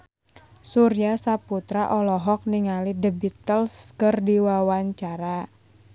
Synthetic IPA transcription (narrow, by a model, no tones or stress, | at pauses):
suɾijasaput̪ɾaʔɔlɔɦɔk̚niŋalidəbit̪əlskərdiwawaɲt͡ʃaɾa